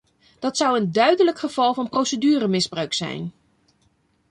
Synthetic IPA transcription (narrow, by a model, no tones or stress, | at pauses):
d̥ɑtsʌwəndœɥdələkχəv̥ɑlˠvɑnprowsədyːrəmɪzbrœɥksɛ̰jn